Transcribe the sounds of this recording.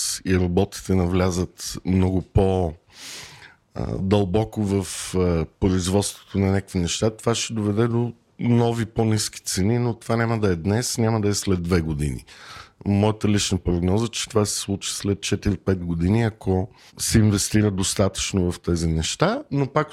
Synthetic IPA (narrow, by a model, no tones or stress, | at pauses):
iɾɐbɔt̪i̥t̪ɛnɐvlʲazət̪mnɔɡʊpo | d̪ɐlˠbɔkovəfpɾoizvɔt̪st̪vo̥t̪onɐnʲakkvinɛʃt̪at̪ovaʃɛd̪ovɛd̪ɛd̪o | nɔviponiski̥t̪sɛninot̪ovanʲaməd̪ɐɛd̪nɛsnʲaməd̪ɐɛslɛd̪ːvɛɡod̪ḭnḭmɔjət̪əlit͡ʃnəpɾoɡnɔzət͡ʃɛ̥t̪ovasɛ̥slˠut͡ʃi̥slɛt̪̚t͡ʃɛt̪iɾipɛt̪ɡod̪iniɐko | sɛinvɛst̪iɾəd̪ost̪at̪ə̥t͡ʃnovɐft̪ɛzinɛʃt̪anopak